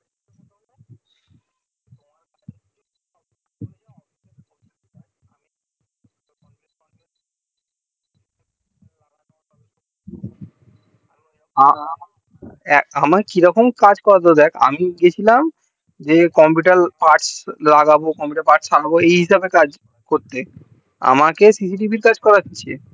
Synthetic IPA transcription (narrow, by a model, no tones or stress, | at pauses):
a | ɛamakekiɾɔkomkad͡ʑkɔɾad̪ed̪ɛkʰa̰miɡet͡ɕʰilam | d͡ʑekɔmpiʈalpaɾʈslaɡabokɔmpiʈaɾpaɾʈsaɾaboejɦiʃabekad͡ʑ | koɾt̪e | a̰makesisiʈibʱiɾkad͡ʑkɔɾat͡ɕʰit͡ɕʰe